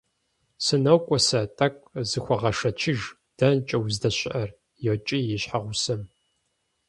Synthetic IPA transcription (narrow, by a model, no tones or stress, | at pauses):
sɨnɐwkʷʼɔsɐtʼɐkʷʼzɨxʷɔʁɐʂɐt͡ʃʰɪʒ | d̥ɐnt͡ʃʼɐwzdɐɕʼʔɐr | jɛwt͡ʃʼijɪɕħaʁʷʊsɐm